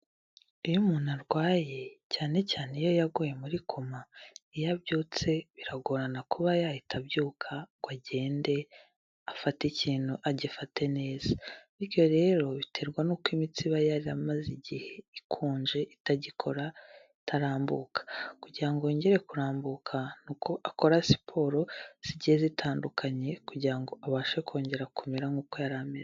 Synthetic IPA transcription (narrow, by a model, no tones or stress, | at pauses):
ijumuːnaɾɡwaːje̞caːne̞caːnejo̞jaɡoje̞muɾikʰo̞maijabɟoːt͡se̞βiɾaɡoɾanakuβajajitʰabjuːkʰaɡ̥waɟe̞ːnde̞ | afaticiːn̥huʔaɟifate̞ne̞ːz̥aniɾjo̞ɾe̞ɾo̞βitʰe̞ɾɡwanuːkwimit͡siβajaɾiamaziɟiheikʰuːɲʒe̞ʔitaɟikʰo̞ɾa | tʰaɾaːmbuːkʰḁkuɟiɾaŋɡo̞ːɲɟe̞ɾe̞kuɾaːmbukʰanukoʔako̞ɾasi̥pʰo̞ːɾoz̥iɟihezitʰaːndukʰaɲe̞kuɟiɾaŋɡoaβaːʃekʰo̞ːɲɟe̞ɾakumeɾaŋuːko̞jaɾameɾ